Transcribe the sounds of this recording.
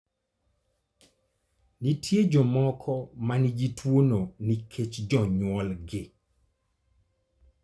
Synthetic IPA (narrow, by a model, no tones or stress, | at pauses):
nitʰjed͡ʒɔmɔkʰɔmanid͡ʒitwononikʰet͡ʃd͡ʒɔɲwɔlɡɪ